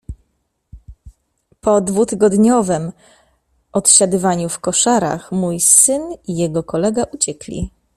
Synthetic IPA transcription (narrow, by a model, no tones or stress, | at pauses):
pɔd̪vut̪ɘɡɔd̪ɲɔvɛm | ʔɔt̪ɕad̪ɘvaɲufkɔʂaɾa̰xmujsɘnijɛɡɔkɔlɛɡaʔut͡ɕɛklʲḭ